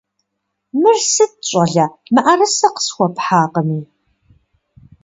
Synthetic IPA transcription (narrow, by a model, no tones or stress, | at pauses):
mɨrsɨt̚ɕʷʼɐɮɐmɨʔarɨsɐqə̥sxʷɔpħaːqəmiː